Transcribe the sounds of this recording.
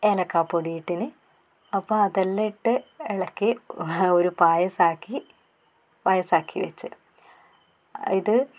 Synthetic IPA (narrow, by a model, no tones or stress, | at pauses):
elɐkːaːpːoɽijiʈːinɨ | ɐpːoɐðɐlːeiʈːɨeɭɐkːioɾupaːjɐsaːkːi | paːjɐsaːkːiʋet͡ɕːɨ | iðɨ